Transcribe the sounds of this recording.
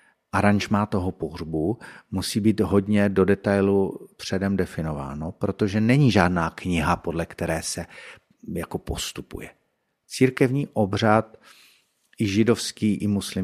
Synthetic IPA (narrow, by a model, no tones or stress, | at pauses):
ʔaɾaɲʒmaːt̪o̞ɦo̞po̞ɦrbumusiːbiːt̪ɦo̞dɲɛdo̞dɛt̪ajlupr̝̥ɛdɛmdɛfɪno̞va̰ːno̞pɾo̞t̪o̞ʒɛnɛɲiːʒaːdnaːkɲɪɦapo̞dlɛkt̪ɛɾɛːsɛ | jako̞po̞st̪upṵjɛ | t͡siːɾkɛvɲiːʔo̞br̝at̪̚ | ʔɪʒɪdo̞fskiːʔɪmuslɪ